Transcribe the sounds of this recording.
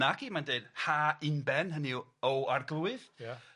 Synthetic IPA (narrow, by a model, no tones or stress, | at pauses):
aɡimanded̥haɪnbɛnɦəniɔwarɡlˠuɨðja